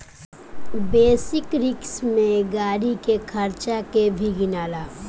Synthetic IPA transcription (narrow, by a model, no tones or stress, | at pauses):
beːsɪkɾɪksmẽɡaːɽikekʰəɾt͡ʃakebʱiɡɪnaːlaː